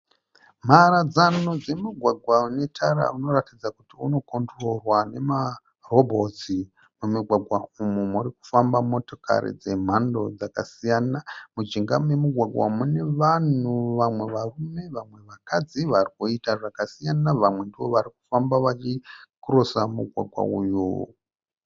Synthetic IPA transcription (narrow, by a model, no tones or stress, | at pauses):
m̤aɾad͡zanod͡ze̞muɡʱwaɡʱwane̞tʰaɾa̰uno̞ratid͡zakutiuno̞ko̞ndro̞rwane̞ma | ro̞bʱo̞ti | mumuɡʱwaɡʱwaumumuriku̥fambamo̞to̞ka̰ɾḭd͡ze̞m̤ando̞d͡zakasijanamud͡ʒiŋɡamwe̞muɡʱwaɡʱwa̰mune̞ʋan̤uʋamwe̞ʋarume̞ʋamwe̞ʋakad͡ziʋarikuitaʐakasijanaʋamwe̞ndiʋo̞ʋaɾik̚u̥fambaʋat͡ʃikuɾosamuɡʱwa̰ɡʱwa̰ujo̰